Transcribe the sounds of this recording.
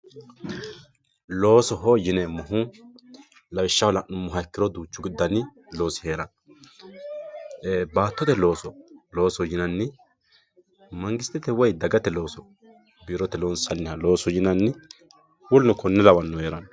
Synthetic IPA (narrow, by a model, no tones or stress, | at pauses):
lo̞ːsɔɦojɪnɛmʊɦʊ | lɐwɪʃːɐwlɐʔʊmːʊɦɐkːɪɾɔd̪uːt͡ʃːʊɡɪd̪ːɐnɪ | lo̞ːsɪ̥he̞ːɾɐn | baːt̪ːɔt̪ɛlo̞ːsɔlo̞ːsɔjɪnɐnːɪ | mɐŋɡɪst̪ːɪt̪ɛwɔjd̪ɐɡɐt̪ɛlo̞ːsɔ | biːɾɔt̪ɛloːnsɐnːɪhɐlo̞ːsɔjɪnɐnːɪ | wɔlnɔkʰɔnːɛlɐwɐnːʊheːɾɐn